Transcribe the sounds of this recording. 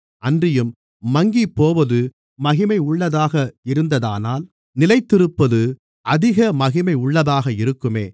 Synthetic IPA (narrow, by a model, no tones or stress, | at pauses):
ʔɐndrɪjɯmː | ɐŋɡipoːʋɐðɯ | mɐɣɪmɐɪʊɭːɐðaːɣɐɪɾɯnd̪ɐða̰ːnaːl | nɪlɐɪt̪ːɪɾɯpːɐðɯ | ʔɐðɪɣɐmɐɣɪmɐɪʊɭːɐðaːɣɐɪɾɯkːɯmeː